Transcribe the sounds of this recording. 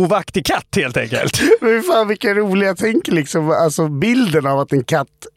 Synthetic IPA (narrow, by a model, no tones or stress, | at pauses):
uːvakt̪ɪkʰat̪ːheːlt̪ɛ̰ŋkə̰lt̪mɛɪfaːnvɪkːaɾuːlɪɡat̪ʰɛŋkəɭɪksɔmalsɔbɪld̪ənavat̪̚ɛnkʰat̪ː